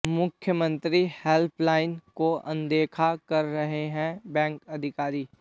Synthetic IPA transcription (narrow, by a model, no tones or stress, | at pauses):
mʊkʰjəmə̃nt̪ɾiheːlpʰlaːɪnkoʔɐ̰̃nd̪eːkʰakɐɾːɐɦeɦɛ̃bɛ̃ːŋkɐd̪ʱɪkaːɾiː